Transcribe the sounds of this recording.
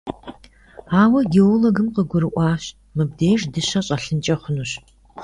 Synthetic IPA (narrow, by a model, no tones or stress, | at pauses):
aːwɐɡeoloɡɨmqəɡʷʊɾɨʔʷɑːɕ | mɨbdeːʒdɨɕɐɕʼɐɬɨnt͡ʃʼɐχʷʊnuɕ